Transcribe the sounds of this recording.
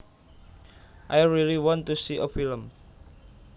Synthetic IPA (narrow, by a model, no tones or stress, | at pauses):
ʔajɹiliwɔ̃ntusiʔəfiləm